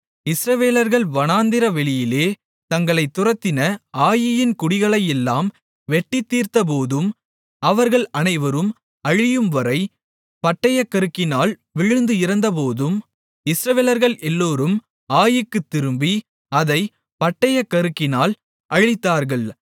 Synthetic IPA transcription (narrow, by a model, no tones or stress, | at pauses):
ɪsɾɐʋeːlɐɾɣɐɭʋɐnaːnd̪ɪɾɐʋɛɭɪjɪleː | t̪ɐŋɡɐɭɐɪt̪ːʊrɐt̪ːɪnɐaːjɪjɪnkʊɽɪɣɐɭɐɪjɛlːaːm | ʋɛʈːɪt̪ːiːɾt̪ɐp̬oːðɯm | ɐʋɐɾɣɐɭɐnɐɪʋɐɾɯm | ɐɻɪjɯmʋɐɾɐɪ | pɐʈːɐjɐkːɐɾɯkːɪnaːl | ʋɪɻɯnd̪ɯɪɾɐnd̪ɐp̬oːðɯm | ɪsɾɐʋeːlɐɾɣɐɭʔɛlːoːɾɯm | aːjɯkːɯt̪ːɪɾɯmbi | ɐðɐɪ | pɐʈːɐjɐkːɐɾɯkːɪnaːl | ʔɐɻɪt̪ːaːɾɣɐɭ